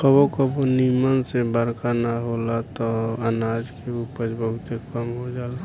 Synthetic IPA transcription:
kəbokəbonimənsebəɾkanaɦolat̪ɔənaːd͡ʒkeupəd͡ʒbəɦʊt̪ekəmɦod͡ʒaːla

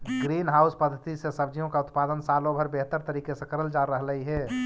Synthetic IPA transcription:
ɡɾinɦauspəd̪ʱːət̪isẽsəbd͡ʒijõkaʊt̪pad̪ənsalõbʱəɾbeɦt̪əɾt̪əɾikesẽkəɾəld͡ʒaɾəɦləiɦɛ

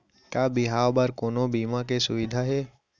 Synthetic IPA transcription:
kaːbɪɦaːʋbəɾkoːnobiːmãkesʊʋɪd̪ʱaɦeː

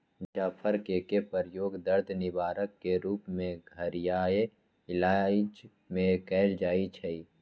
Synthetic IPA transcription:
d͡ʒaːpʰəɾkekepəɾjoːɡd̪əɾd̪ʱnɪbaːɾəkːeɾuːpmẽɡʱəɾɪjaːe | ɪlaːd͡ʒ | mẽkɛːld͡ʒaːit͡ʃʰɛi

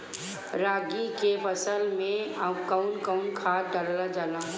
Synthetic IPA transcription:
ɾaːɡikepəsəlmẽkaʊnkaʊnkʰaːɖəɾlad͡ʒaːlaː

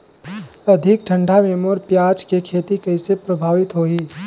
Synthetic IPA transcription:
ɐd̪ʱɪk̚ʈʰə̃ɳɖʱamemoːɾpjaːt͡ʃkekʰeːt̪ikɐisepɾɐbʱaːʋɪt̪ɦoːiː

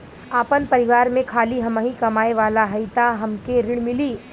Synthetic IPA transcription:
aːpənpɐɾɪʋaːɾmẽkʰaːliɦɐmaɦĩkɐmaːeʋaːlaɦɐɪt̪aɦɐmkeɾɪɽ̃mɪliː

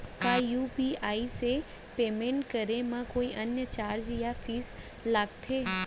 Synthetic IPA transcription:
kaːjuːpiaːise | peːmẽɳʈkəɾemãkoːiʔənjət͡ɕaːɾd͡ʒjafiːs | laːɡt̪ʰeː

